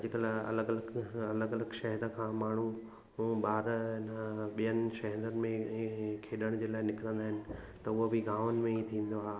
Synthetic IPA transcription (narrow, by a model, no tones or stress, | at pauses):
d͡ʑɪkəlɐ̰ləɡɐləɡɐləɡɐləɡʃɐɦɛɾəkʰãːmaːɳ̤u | ɓaːɾɪnəɓijənɪ̆ʃɐɦɛɾənɪ̆mẽkʰeːɗəɽ̃d͡ʑeːlaːɪnɪkɪɾə̃nd̪aːɦɪnɪ̆ | t̪ɐʊobʱiɡaːʋənɪ̆mẽit̪ʰĩːn̆d̪oaːɦ